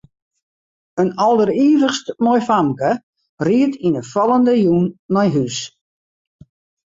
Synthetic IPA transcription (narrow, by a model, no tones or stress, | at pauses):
ənɔlˠdəriəvəxstmɔjfamkə | riətʰinəfɔlˠəndəjuːnːɔjɦys